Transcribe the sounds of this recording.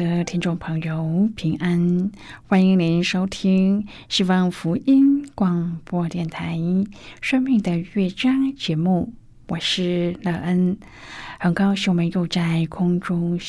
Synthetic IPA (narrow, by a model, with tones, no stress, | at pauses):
ə˧t̪ʰi˥ŋʈ͡ʂʊ˥˩ŋpʰɤ˧˥ŋjo˧ʊpʰi˧˥ŋʔa˥n | xwa˥ni˧˥ŋni˧˥nʂo˥ʊt̪ʰi˥ŋ | ɕi˥wɑ˥˧ŋfu˧˥i˥nkwɑ˥˩ŋpwɔ˥t̪jɛ˥˩nt̪ʰa˧˥ɪʂɤ˥ŋmi˥˩ŋd̪ə˩ɥɛ˥˩t͡ɕjɑ˥ŋt͡ɕjɛ˧˥mu˥˩ | wɔ˨˩ʂɻ̩˥˩lɤ˥˩ʔə˥n | xə˨˩nkɑ˥ʊɕi˨˩wɔ˨mə˧˦njo˥˧ʊt͡sa˥˩ɪkʰʊ˥ŋʈ͡ʂʊ˥ŋ